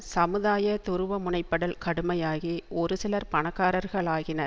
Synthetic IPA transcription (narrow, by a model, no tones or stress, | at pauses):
sɐmɯðaːjɐt̪ʊɾɯʋɐmʊɳɐɪpːɐɽɐlkɐɽɯmɐjaːɣiɔɾɯsɪlɐɾpɐnɐkːaːɾɐɾɣɐɭaːɣɪnɐɾ